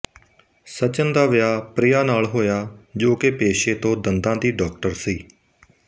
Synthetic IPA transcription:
sət͡ʃənd̪aːʋɪjaːpɾɪjaːnaːlɦoːjaːd͡ʒoːkepeːʃeːt̪õːd̪ənd̪ãːd̪iːɖɔːk̚ʈəɾsiː

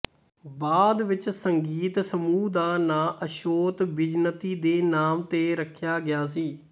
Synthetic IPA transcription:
baːd̪ʋɪt͡ʃsəŋɡiːt̪səmuːd̪aːnaːʔəʃoːt̪bɪd͡ʒnət̪iːd̪eːnaːmt̪eːɾəkʰjaːɡɪjaːs̬iː

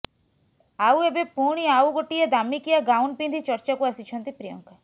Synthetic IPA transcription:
awebepuɽ̃iawɡoʈied̪amikijaɡawnpind̪ʱit͡ʃɔɾt͡ʃakuasit͡ʃʰɔnt̪ipɾijɔ̰ŋka

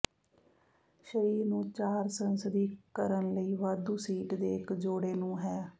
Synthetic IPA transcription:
ʃəɾiːɾnũːt͡ʃaːɾsənsəd̪iːkəɾənləiːʋaːd̪uːsiːʈd̪eːɪkd͡ʒoːɽeːnũːɦɛː

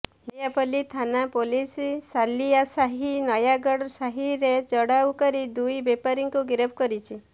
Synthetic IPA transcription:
mejapɔlit̪ʰanapolisisaliasaɦinɔjaɡɔɽɔsaɦiɾet͡ʃɔɽawkɔɾid̪ujbepaɾiŋkuɡiɾɔp̚ʰkɔɾit͡ʃʰi

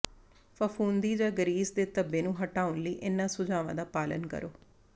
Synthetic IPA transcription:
fəfʰuːnd̪iːd͡ʒaːɡəɾiːzd̪eːt̪əbːeːnũːɦəʈaːʊnləiːʔɪnːãːsʊd͡ʒaːʋã̰ːd̪aːpaːlənkə̰ɾoː

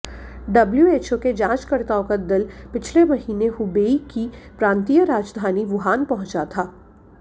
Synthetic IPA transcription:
ɖɐbljueːt͡ʃoked͡ʒãːt͡ʃkɐɾt̪aːõkad̪ɪlpɪt͡ʃʰlemɐɦiːneɦʊbeːikipɾãːnt̪ijəɾaːd͡ʒd̪ʱaːniʋʊɦaːnpɐɦʊ̃t͡ʃat̪ʰaː

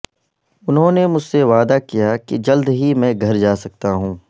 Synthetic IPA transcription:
ʊnɦõːnemʊd͡ʒseʋaːd̪akijakid͡ʒɐld̪ɦimɛ̃ːɡʱɐɾd͡ʒaːsɐk̚t̪aɦũː

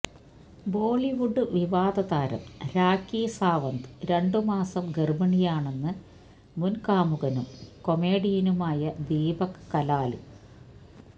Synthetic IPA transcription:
boːɭiʋuɖɨʋiʋaːd̪ɐðaːɾɐ̰mɾaːkːiːsaːʋɐnd̪ɨɾe̞ɳɖɨmaːsɐmɡermɐɳijaːɳe̞nːɨ | munkaːmuɣɐnumko̞me̞ːɽijɐnumaːjɐd̪iːbɐkkːɐlaːlḭ

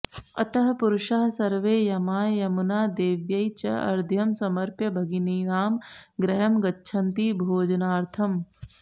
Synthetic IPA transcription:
ɐt̪ɐɦɐpuɾʊʃɐɦɐsɐɾʋeːjɐmaːjɐmunaːd̪eːʋjɐjt͡ʃɐɐ̰ɾd̪ʱjɐmsɐmɐɾpjɐbʱɐɡiniːɾaːmɡɾɐɦɐmɡɐtːʃʰɐnt̪iːbʱoːd͡ʒɐnaːɾt̪ʰɐm

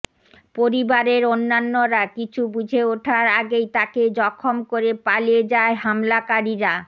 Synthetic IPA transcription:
poɾibaɾeɾonːanːoɾakit͡ɕʰubud͡ʑʱeoʈʰaɾaɡejt̪aked͡ʑɔkʰːomkoɾepalied͡ʑaeɦamlakaɾiɾa

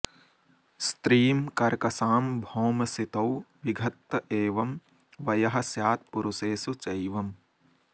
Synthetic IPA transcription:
st̪ɾiːmkɐɾkɐsaːmbʱoːmɐsit̪ɐwʋiɡʱɐt̪ːɐʔeːʋɐm | ʋɐjɐɦɐsjaːt̪̚puɾuseːsut͡ʃɐjʋɐm

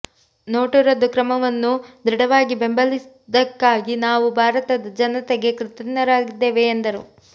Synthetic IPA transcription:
noːʈuɾɐd̪ukɾɐmɐʋɐnːud̪ɾiɽɐʋaːɡibe̞mbɐlis | d̪ɐkːaːɡinaːʋubʱaːɾɐt̪ɐd̪ɐd͡ʒɐnɐt̪ɛɡe̞kɾɪt̪ɐnːɐɾaːɡid̪ːeːʋeːnd̪ɐɾu

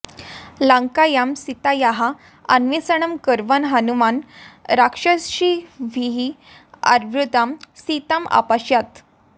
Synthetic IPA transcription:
laŋkajamsit̪ajaɦa̰ː | nʋisəɳəmkəɾʋənɦanumanɾakʂəsɕiʋiɦi | a̰ɾʋɾud̪amsit̪ama̰paɕjat̪

